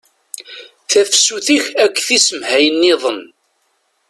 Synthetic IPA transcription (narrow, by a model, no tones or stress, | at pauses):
θæfsuθiçækʷːθisəmhæjənːiðˤən